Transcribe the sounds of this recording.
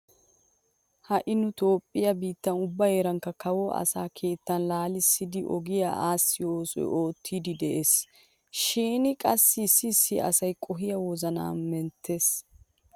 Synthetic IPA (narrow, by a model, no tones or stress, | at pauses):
hɐʔɪnʊt̪o̞ːpʼːɪjɐbiːt̪ːɐnʊbːɐjeːɾɐŋkːɐkɐwɔʔɐ̰saːkʰe̞ːt̪ːɐnlaːlɪsːɪd̪ɪʔɔɡɪja̰ʔaːsːɪo̞ːsɔ̰j̰o̞ːt̪ʰːiːd̪ɪd̪ɛʔeːs | ʃiːnɪkʼɐsːɪsːɪːsːɪʔɐ̰sɐjkʼɔɦɪjɐwɔzɐna̰ːnmɛnt̪ʰːe̞ːs